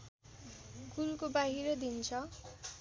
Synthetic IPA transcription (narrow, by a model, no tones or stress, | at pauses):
ɡulkobaɦiɾʌd̪int͡sʰʌ